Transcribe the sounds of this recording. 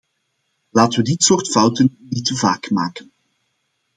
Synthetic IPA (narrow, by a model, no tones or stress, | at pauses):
laːtəʋədɪtsoːrtfʌwtənnitəvaːkmaːkən